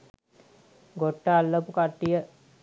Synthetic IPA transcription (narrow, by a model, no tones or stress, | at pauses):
ɡoʈːaalːəpukaʈːijə